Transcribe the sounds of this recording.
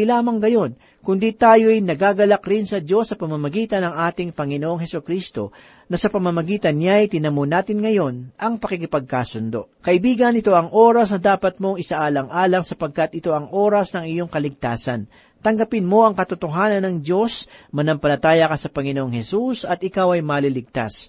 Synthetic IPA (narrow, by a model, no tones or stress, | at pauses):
laːmɐŋɡɐjo̞n | kʊnd̪it̪aːjo̞ʔɐjnɐɡaɡɐlɐkɾɪnsɐd̪jo̞sːɐpɐmɐmɐɡiːt̪ɐnɐŋʔaːt̪ɪŋpɐŋɪnoʔoŋhɛsʊkɾist̪o̞̰ | nɐsɐpɐmɐmɐɡiːt̪ɐnɲjajt̪ɪnɐmonaːt̪ɪnŋɐjo̞nʔɐŋpɐkikɪpɐɡ̚kaːsʊnd̪o̞̰kɐʔɪbiːɡɐnɪt̪o̞ʔɐŋʔo̞ːɾɐsnɐd̪aːpɐt̪̚mo̞ŋɪsaʔaːlɐŋʔaːlɐŋsɐpɐɡ̚kɐt̪̚ɪt̪o̞ʔɐŋʔo̞ːɾɐsnɐŋɪjo̞ŋkɐlɪɡ̚t̪aːsɐ̰n | t̪ɐŋɡɐpɪnmo̞ʔɐŋkɐt̪ʊt̪oɦaːnɐnːɐŋd̪jo̞smɐnɐmpɐlɐt̪aːjɐkɐsɐpɐŋɪnoʔoŋhɛsusɐt̪ʔɪkawɐjmɐlilɪɡ̚t̪a̰s